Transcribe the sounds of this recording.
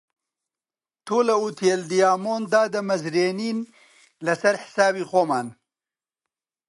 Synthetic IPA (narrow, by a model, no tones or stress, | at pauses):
t̪ʰoːlɐut̪ʰeld̪ijaːmoːnd̪aːd̪ɐmɐzɾeːniːn | lɐsɐɾħɪ̥saːbixoːmaːn